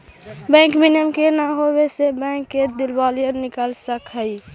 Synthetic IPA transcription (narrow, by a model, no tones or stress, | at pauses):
bɛ̃ŋkminjəmkenaɦobesebə̃ŋkːed̪ilbalijənːikəlsəkɦəj